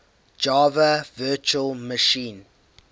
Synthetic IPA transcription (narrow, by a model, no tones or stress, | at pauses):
d͡ʒɑːvəvɜːˑt͡ʃuəlˠməʃĩːn